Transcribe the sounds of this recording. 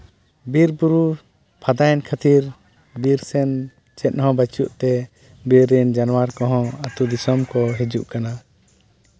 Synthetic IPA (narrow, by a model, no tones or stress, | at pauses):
biɾbuɾu | pʰad̪ajnkʰat̪iɾ | biɾsɛn | t͡ʃɛt̪̚ˀɦɔ̃bat͡ʃuʔt̪ɛ | biɾːɛnd͡ʒanɔwaɾkɔɦɔ̃at̪ud̪isɔmkɔɦed͡ʒuʔkana